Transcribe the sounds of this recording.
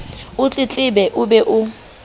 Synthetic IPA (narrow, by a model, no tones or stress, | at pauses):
ʊt͡ɬʼɪt͡ɬʼɪbɛʔʊbɛʔʊ